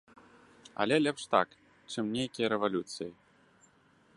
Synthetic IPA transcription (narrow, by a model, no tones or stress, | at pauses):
ɐ̰lʲɛlʲɛpʂt̪a̰k | t͡ʂɨmnʲejkʲijɐɾɛvalʲut̪sɨji